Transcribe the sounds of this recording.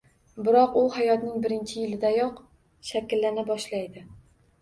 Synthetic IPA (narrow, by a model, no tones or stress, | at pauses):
bɪɾɒqʊhajɒt̪nɪŋbɪɾɪnt͡ʃʰɪjɪlɪd̪ajɒq | ʃakʲɪlːanɪbɒʃlajd̪ɪ